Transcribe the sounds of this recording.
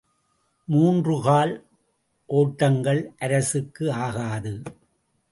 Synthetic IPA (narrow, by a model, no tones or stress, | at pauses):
muːndrɯɣaːl | ʔoːʈːɐŋɡɐɭʔɐɾɐsɯkːɯaːɣaːðɯ